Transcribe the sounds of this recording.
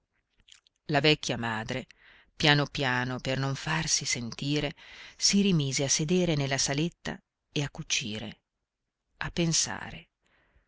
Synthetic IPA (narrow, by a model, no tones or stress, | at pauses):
lavɛkʲːjamaːd̪ɾe | pjaːnopjaːnopernoɱfarsisent̪iːɾesiɾimiːzeasːed̪eːɾenelːasalet̪ːa̰ | eakːut͡ʃːḭːɾḛ | apːensa̰ːɾḛ